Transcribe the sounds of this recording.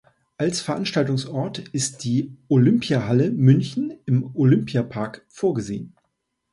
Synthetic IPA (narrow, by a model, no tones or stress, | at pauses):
ʔalsfɛɐʔanʃtaltʊŋsɔɐtɪst̚d̥iːʔolʏmpʰjahaləmʏnçn̩ɪmʔolʏmpjapʰaɐkfoːɐɡəzeːən